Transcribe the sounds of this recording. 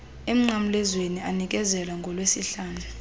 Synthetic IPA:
em̩am̩lɛzwenianik̬ʼɛzɛlaŋɡʱɔlwesiɬaːnʱa

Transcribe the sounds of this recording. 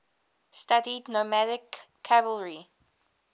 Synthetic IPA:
stadidnomæɾɪkʰː | ævəlɹi

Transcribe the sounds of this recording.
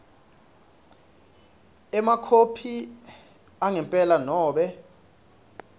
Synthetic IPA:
ɛmakʰopʰi | aŋɛmpʼɛlanɔːɓɛ

